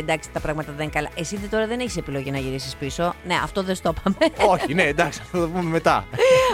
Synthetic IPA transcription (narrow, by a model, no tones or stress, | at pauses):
end̪ɐkst̪i̥t̪ɐpɾɐɣmɐt̪ɐðeŋkɐlɐʔe̞siðet̪o̞ɾɐðe̞ne̞çi̥sepilo̞ʝinɐʝiɾisispiso̞ne̞ɐ̰ft̪o̞ðest̪o̞pɐme̞oçineːnd̪ɐksiɐft̪ot̪ɐpumeme̞t̪ɐ̰